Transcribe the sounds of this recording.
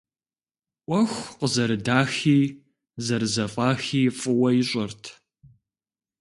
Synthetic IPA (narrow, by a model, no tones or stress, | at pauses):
ʔʷɔxʷqəzɐɾɨdaːxiː | zɐɾɨzɐfʼɑːxiːfʼɨwɐjɪɕʼɐrtʰ